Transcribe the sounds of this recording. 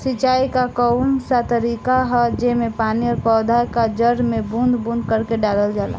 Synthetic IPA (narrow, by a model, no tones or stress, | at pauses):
sit͡ʃaːikakəʊnsat̪əɾiːkaɦɛd͡ʒemẽpaːniɔːɾpɔːd̪ʱakad͡ʒəɾmẽbũnd̪bũnd̪kəɾkeɖaːləld͡ʒaːla̰